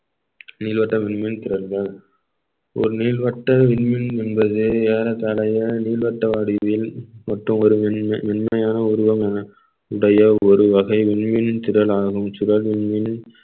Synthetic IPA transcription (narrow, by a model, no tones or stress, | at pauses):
niːlʋɐʈːɐʋɪnmɪnt̪ɪɾɐlɣɐɭ | ʔɔ̰ɾɯniːlʋɐʈːɐʋɪɳmɪnɛnbɐðɯeːɾɐt̪ɐɭɐjɐniːlʋɐʈːɐʋaːɽɪʋɪlmɐʈrɯmɔɾɯʋɪɳmɐjaːnɐʊɾʊʋɐmɐnɐ | ʊɽɐjɐɔɾɯʋɐɣɐɪʋɪɳmɪnt̪ɪɾɐlaːɣɯmsʊɾɐlʋɪɳmɪn